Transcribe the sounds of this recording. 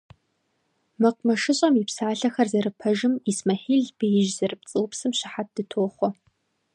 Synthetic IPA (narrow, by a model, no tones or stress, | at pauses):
mɐq̚ʷmɐʂɨɕʼɐmipsaːɬɐxɐrzɐrɨpʰɐʒɪmismɐħiːɮb̥ejɪʒzɐrɨp̚t͡sʼɨwpsɨmɕɪ̥ħat̚d̥ɨtʰoːχʷɔ